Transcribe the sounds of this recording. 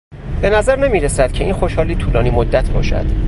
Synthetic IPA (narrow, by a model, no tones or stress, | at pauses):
b̥e̞næzæɾnemiːɾesæd̪̥cʰe̞iːnxoʃhɒːliːt̪ʰuːlɒːniːmod̪ːæt̪ʰbɒ̰ːʃæ̰d̪̥